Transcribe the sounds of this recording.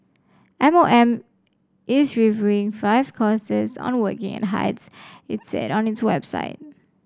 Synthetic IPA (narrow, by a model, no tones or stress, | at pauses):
ʔɛ̃moɛ̃m | ʔɪzɹivjuɪ̃ŋfaɪv̥kʰɔsəzɔ̰̃nwəkɪ̰̃ŋɨ̰̃nɦa̰ɪtsɪtsɛ̰ɾɔ̃nɪtswɛ̰b̥sa̰ɪt̚